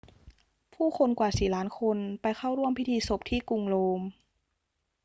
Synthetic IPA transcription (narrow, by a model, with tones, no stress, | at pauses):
pʰuː˥˩xʰo˧nkwaː˨˩siː˨˩laː˦˥nkʰo˧npa˧jxʰa˥˩wɾu˥˩əmpʰi˦˥t̪ʰiː˧so˨˩p̚t̪ʰiː˥˩ku˧ŋloː˧m